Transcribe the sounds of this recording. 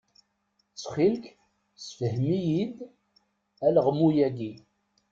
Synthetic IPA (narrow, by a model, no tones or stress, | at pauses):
t͡sːχilk | sfəhmijid̪ | æləʁmujæɡi